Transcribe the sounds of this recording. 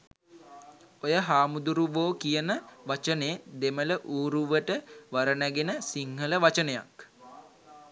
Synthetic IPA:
ojəɦaːmud̪uɾuʋoːkijənəʋat͡ʃəneːd̪emələʔuːɾuʋəʈəʋaɾənæɡenəsiŋɦələʋat͡ʃənəja̰k

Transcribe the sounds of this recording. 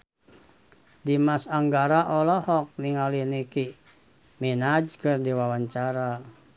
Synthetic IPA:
dimasaŋɡaɾaʔɔlɔhɔk̚niŋaliniki | minad͡ʒkɨrdiwawaɲt͡ʃaɾa

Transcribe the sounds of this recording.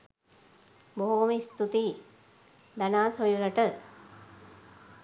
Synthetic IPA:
boɦumist̪ut̪iː | d̪anaːsojuɾəʈə

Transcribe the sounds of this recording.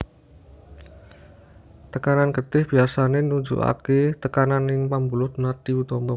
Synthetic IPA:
t̪əkananɡət̪ɪhb̥i̤asanenuɲd͡ʒṵʔa̰ket̪əkananɪŋpambulʊt̪nad̪̥iwut̪ɔmbɔ

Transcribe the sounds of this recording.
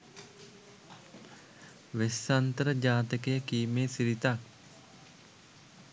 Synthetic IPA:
ʋesːant̪əɾəd͡ʒaːt̪əkejəkiːmeːsiɾit̪ak̚

